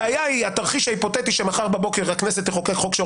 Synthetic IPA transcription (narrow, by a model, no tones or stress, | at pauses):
ajaiat̪aʁχiʃaipo̞t̪et̪iʃemaχaʁbabo̞keʁhakneset̪leχo̞kekχokʃe